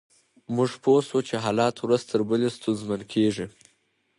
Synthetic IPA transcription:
mʊʐposut͡ʃeɦɑːlɑt̪wɾazt̪ʰəɾbəlest̪unzmankʰeʐi

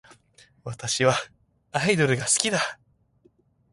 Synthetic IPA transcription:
βat̪aɕiβa | aid̪o̞ɾɯ̟ɡasɨ̥kʲid̪a

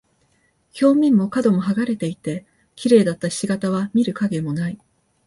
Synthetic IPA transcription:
çʲo̞ːmʲĩmːo̞kad̪o̞mo̞ɦaɡaɾe̞t̪e̞it̪e̞ | kʲiɾe̞ːd̪at̪ːaɕiɡat̪aβ̞amʲiɾɯ̟kaɡe̞mo̞nai

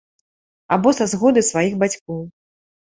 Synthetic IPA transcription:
a̰bɔsazɣɔd̪ɨsvajixbat͡sʲkɔw

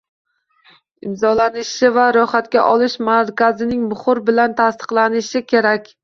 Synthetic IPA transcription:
ɪmzɒlanɪʃɪvaɾɒχat̪kʲaʔɒlˠɪʃmaɾkʲazɪnɪŋbʊχʊɾbɪlant̪ʰast̪ʰɨ̥qlˠanɪʃɪkʲʰe̞ɾakʲ

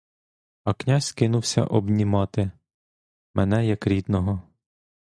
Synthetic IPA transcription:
ɐknʲazʲkɪnʊwsʲɐ̰ʔɔbnʲimɑt̪ɪ | mʔɛnɛjɐkɾʲid̪nɔɦɔ

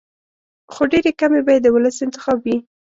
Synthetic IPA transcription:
xoɖeɾekamebɑjed̪ːəwʊləsɪnt̪ɪxɑbwi

